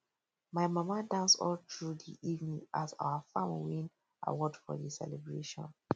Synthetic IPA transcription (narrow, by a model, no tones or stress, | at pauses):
maɪmamadãnsɔ̰ltʰɹudiʔivnĩŋasa̰ʊwafamwĩn | ʔa̰wɔdfɔ̰disɛ̰lɛbɹeʃɔ̰̃n